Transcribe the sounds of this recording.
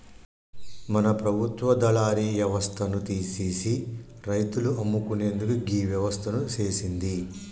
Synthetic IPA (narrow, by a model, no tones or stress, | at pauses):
mɐnɐpɾɐbʱut̪ʋɐd̪ɐlaːɾiːʋjɐʋɐst̪ʰɐnut̪iːseːsi | ɾɐjt̪uluʔɐmːukune̞ːnd̪ukuɡiːʋjɐʋɐst̪ʰɐnut͡ʃe̞ːsind̪i